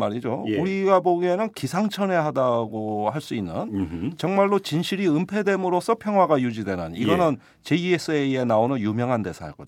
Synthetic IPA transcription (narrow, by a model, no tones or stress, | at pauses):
maɾid͡ʑouɾiɡaboɡienɯnkisʰaŋt͡ɕʰʌne̞ɦadaɡohaɭs͈uinːɯ̰nt͡ɕʌŋmaɭːot͡ɕinɕʰiɾiɯmpʰe̞de̞mɯɾosʰʌpʰjʌŋɦwaɡajud͡ʑidwe̞nɯniɡʌnɯn | t͡ɕe̞ies͈ʰɯeie̞naonɯnjumjʌŋɦande̞sʰaa̰ɭk͈ʌd͡ʑo